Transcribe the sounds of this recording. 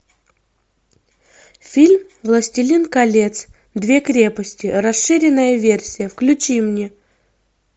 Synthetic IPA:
fʲilʲm | vlˠəsʲtʲɪlʲinkɐlʲe̞t̪s | d̪vʲe̞kɾʲe̞pəsʲtʲɪrɐsʂɨɾʲɪnːəjəvʲersʲɪjəfklʲʉt͡ɕimnʲe

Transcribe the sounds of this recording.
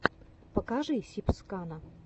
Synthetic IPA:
pɐkaʐɨjsʲipskanɐ

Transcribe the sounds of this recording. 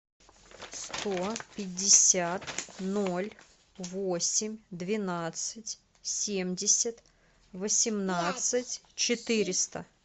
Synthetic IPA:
st̪opʲɪdʲːɪsʲat̪nolʲ | vosʲɪmʲd̪vʲɪnat̪sɨtʲ | sʲemʲdʲɪsʲət̪ | vəsʲɪmnat̪sɨtʲt͡ɕɪt̪ɨɾʲɪst̪ə

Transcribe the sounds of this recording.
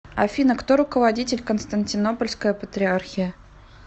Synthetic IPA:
ɐfʲinəkt̪oɾʊkəvɐdʲitʲɪlʲkənst̪ənʲtʲɪno̞pəlʲskəjəpət̪ɾʲɪarxʲɪjə

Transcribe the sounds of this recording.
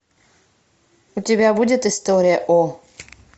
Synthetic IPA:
utʲɪbʲabudʲɪt̪ɨst̪oɾʲɪjɐʔo

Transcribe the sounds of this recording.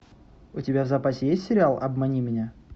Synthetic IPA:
ʊtʲɪbʲavzɐpasʲɪjesʲtʲsʲɪɾʲɪalˠʔɐ̰bmɐnʲimʲɪnʲa

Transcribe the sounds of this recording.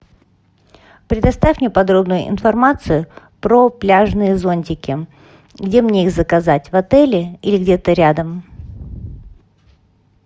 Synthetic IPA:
pɾʲɪd̪ɐst̪afʲmnʲepɐd̪ɾo̞bnʊjʊ̰ʔɪ̰nfɐrmat̪sɨjʊ | pɾoplʲaʐnɨjəzonʲtʲɪkʲɪ | ɡdʲe̞mnʲe̞ixzəkɐzatʲvɐt̪ɛlʲɪilʲɪɡdʲe̞t̪əɾʲad̪əm

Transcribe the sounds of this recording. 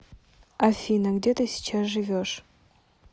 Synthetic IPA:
afʲinaɡdetʰɐisi̥t͡ʃʰazʒɨvʲoʂ

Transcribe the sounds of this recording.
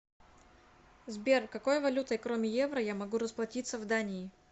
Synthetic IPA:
zbʲe̞rkɐko̞jəvɐlʲut̪əɪkɾomʲɪjevɾəjamɐɡuɾəsplˠɐtʲit̪səvd̪anʲɪː

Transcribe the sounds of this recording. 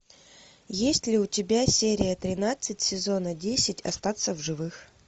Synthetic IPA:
jesʲtʲlʲɪʊtʲɪbʲasʲeɾʲɪjət̪ɾʲɪnat̪sɨtʲsʲɪzo̞nədʲesʲɪtʲɐ̰st̪at̪səvʐɨvɨx

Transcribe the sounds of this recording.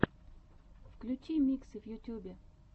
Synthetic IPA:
fklʲʊt͡ɕimʲiksɨvjʊtʲubʲe

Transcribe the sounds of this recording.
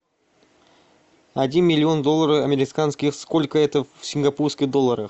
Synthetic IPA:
ad̪ʲinmʲilʲːio̞nd̪o̞lˠːaɾəamʲeɾʲɪkanskʲiskolʲkəet̪əfsʲɪŋɡapuɾskʲid̪o̞lˠːaɾə

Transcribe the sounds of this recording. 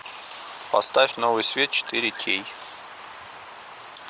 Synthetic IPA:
pɐ̰st̪afʲnovɨjsvʲet̪̚t͡ʃʰɪ̥t̪iɾʲɪt̪ʲʰej

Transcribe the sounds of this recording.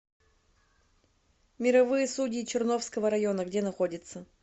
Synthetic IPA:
mʲɪɾɐvɨjəsudʲɪːt͡ɕɪrno̞fskəvəɾɐjo̞nəɡdʲenɐxo̞dʲɪt̪sə

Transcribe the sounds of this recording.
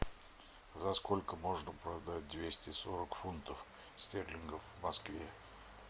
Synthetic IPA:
zɐskolʲkəmoʐnəpɾɐd̪at̚ʲd̪vʲesʲtʲɪsoɾəkfunt̪əf | sʲt̪ʲerlʲɪnɡəfvmɐskvʲe

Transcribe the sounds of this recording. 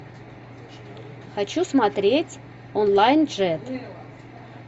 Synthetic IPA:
xɑt͡ɕusmɑt̪ɾʲetʲ | onlˠajnʐɛt̪

